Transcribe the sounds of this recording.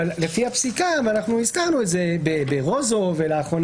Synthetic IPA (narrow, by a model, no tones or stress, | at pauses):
alle̞fihapsikamanaχnuizkaʁnuetzebebeʁo̞zoveleaχo̞n